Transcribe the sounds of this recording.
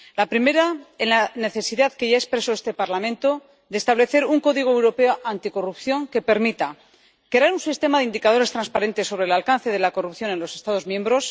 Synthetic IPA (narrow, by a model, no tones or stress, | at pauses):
lapɾime̞ɾaelane̞θe̞siðaðke̞ʝaespɾe̞so̞e̞st̪e̞paɾlamẽnt̪o̞ | d̪est̪aβle̞θe̞ɾuŋko̞ðiɣ̞oewɾo̞pe̞oʔant̪iko̞rupθjo̞ŋke̞pe̞ɾmit̪a | kaɾunsist̪e̞maðeind̪ikað̞o̞ɾe̞st̪ɾanspaɾe̞nt̪e̞sːo̞βɾeːlalkanθe̞ð̞e̞lakorupθjo̞ne̞nlo̞se̞st̪að̞ozmjẽ̞mbɾo̞s